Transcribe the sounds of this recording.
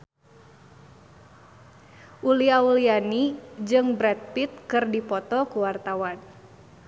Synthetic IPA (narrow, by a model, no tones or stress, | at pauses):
ʔuliaulianid͡ʒɨŋbɾɛt̪̚pit̪̚kɨrdipɔt̪ɔkuwart̪awan